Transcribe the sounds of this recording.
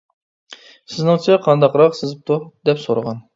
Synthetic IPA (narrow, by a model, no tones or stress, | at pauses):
sɪznɪŋt͡ʃʰiqʰɑnd̪ɑqɾɑqsɨzɪp̚t̪ʰud̪ɛpsoɾəʁɑn